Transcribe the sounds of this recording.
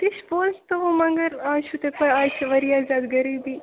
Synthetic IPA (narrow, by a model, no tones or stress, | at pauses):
t̪ɪʃpoːlst̪oʋomɐ̃ŋɡəɾaːʃut̪epɐjaːt͡ʃʰʋɐɾiːaːzaːd̪ɡɐɾiːbiː